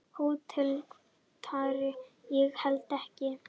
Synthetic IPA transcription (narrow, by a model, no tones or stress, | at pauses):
huːt̪ʰɪl | t̪ʰaːɾɪjɛɣhɛlt̪ɛhcɪ